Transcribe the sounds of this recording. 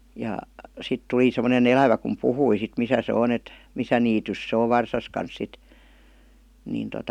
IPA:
jɑ sit tuli semːonen elæʋæ kum puhui sit misæ se on et misæ niːtys se oʋ ʋɑrsɑs kɑns sit niːn totɑ

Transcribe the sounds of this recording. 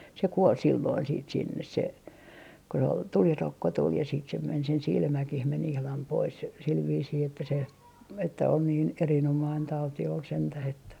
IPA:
se kuol silːoin siːt sinːes se ko se ol tulirokːo tul jɑ siːt se men sen silmækih men ihlɑm pois sil ʋiːsiː etːæ se etːæ on niːn erinomɑin tɑuti ol sentæh etːæ

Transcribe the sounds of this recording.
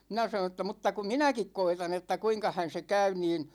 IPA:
minæ sɑnõː tːɑ mutːɑ ku minækik koitɑn etːæ kuiŋkɑhæn̞ se kæy niːn

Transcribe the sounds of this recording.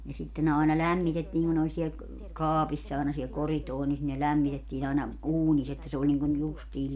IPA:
jɑ sitːe ne ɑˑenɑ læmːitetːiː ku ne olʲ siel kɑːpisː ɑˑenɑ siel koritoːnis ne læmːitetːiːn ɑinɑ uːnisː etːæ se olʲ niŋkun justiː

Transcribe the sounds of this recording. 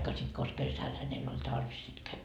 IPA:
sit kos kesæl hænelː olʲ tɑrʋis sit kæi

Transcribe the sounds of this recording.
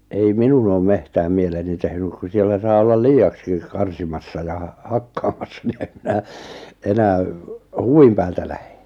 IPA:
ei minun oːm mehtæːm mieleni tehnyk ku sielːæ sɑː olːɑl liːɑkskik kɑrsimɑsːɑ jɑ hɑkːɑːmɑsːɑ ni em minæ enæː huʋim pæːltæ læhe̥

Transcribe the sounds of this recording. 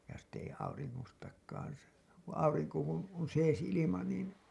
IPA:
jɑ sitˑ ei ɑuriŋːostɑkˑɑːn sɑː ɑuriŋko kun on seːs ilimɑ niːn

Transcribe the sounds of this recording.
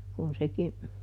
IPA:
kun seki

